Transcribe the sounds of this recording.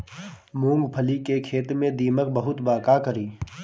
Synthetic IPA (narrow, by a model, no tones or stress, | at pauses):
mũːŋɡpʰəlikekʰeːt̪mẽd̪iːmək̚bəɦʊt̪baːkakəɾiː